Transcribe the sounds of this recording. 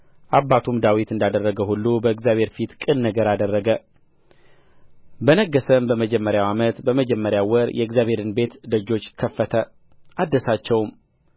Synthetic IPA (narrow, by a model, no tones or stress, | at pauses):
ʔabːat̪ʰumd̪awit̪ɨnd̪ad̪ərːəɡəhulːubəɨɡzjaβʱhe̞ɾfit̪kʼɨnnəɡəɾad̪ərːəɡə | bənəɡːəsəmbəməd͡ʒɛmːəɾjawamət̪bəməd͡ʒɛmːəɾjawɔɾjʔɛɨɡzjaβhe̞ɾɨnbe̞t̪d̪əd͡ʒːo̞t͡ʃːkʰəfːət̪ʰə | ʔad̪ːəsat͡ʃːɛwm